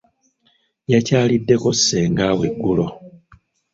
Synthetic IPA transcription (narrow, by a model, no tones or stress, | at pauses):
jacaːlidːe̞ko̞sːe̞ːŋɡaːwe̞ɡːulo̞